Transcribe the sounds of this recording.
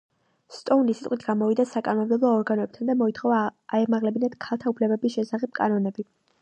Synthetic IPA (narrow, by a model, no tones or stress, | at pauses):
st̪ʼɔunisit̪ʼqʼwit̪ʰɡamɔvid̪asakʼanɔmmd̪ɛblˠɔːɾɡanɔɛp̚t̪ʰand̪amɔit̪ʰχɔvaːɛmaʁlɛbinad̪̥kʰalˠt̪ʰaupʰlɛbɛbisʃɛsaχɛp̚kʼanɔnɛbi